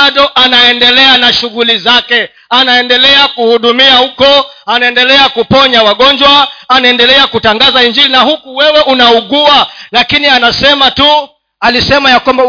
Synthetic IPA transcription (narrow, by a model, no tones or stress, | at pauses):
aɗɔʔanaɛndɛlɛanaʃuɣulizakɛ | anaɛndɛlɛakuhuɗumiahukɔanaɛndɛlɛakupɔɲawaɠɔɲd͡ʒwaanaɛndɛlɛakutaŋɡazaiɲd͡ʒilinahukuwɛwɛʔunauɠualakinianasɛmatu | alisɛmajakwamba